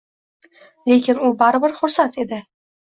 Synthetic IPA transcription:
le̞kʲɪnʊbaɾɪbɪɾχʊɾsat̪ʰe̞d̪ɪ

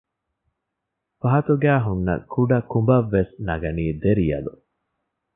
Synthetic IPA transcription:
fɐɦɐt̪uɡæːɦunːɐ̰kʰuɖɐkumbɐʋːesnɐɡɐniːd̪eɾijɐ̰lṵ

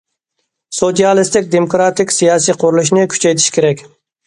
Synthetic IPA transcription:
sot̪ijɑlˠɪst̪ɪk̚ʲd̪emokɾɑt̪ɪkʲsijɑːsijqʰʊɾulˠuʃnɪkʲʰy̥t͡ʃʰɛjt̪ʰɪ̥ʃkʲʰeɾɛkʲ

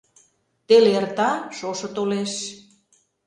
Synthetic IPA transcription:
t̪elert̪ɑʃoʃɤ̆t̪oleʃ

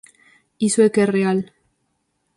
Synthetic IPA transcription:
iswekereal

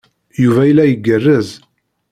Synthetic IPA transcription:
juvæjəlːæjəɡːərːəz

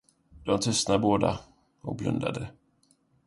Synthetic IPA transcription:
d̪̥ɔmt̪ʰɵst̪naboːd̪a | ɔk̚blɵ̰nd̪a̰d̪ə

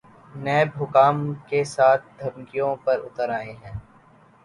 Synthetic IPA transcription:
nɛːbɦʊkaːmkesaːt̪̚ʰd̪ʱɐmkijõpɐɾʊ̰t̪əɾaːẽɦɛ̃ː

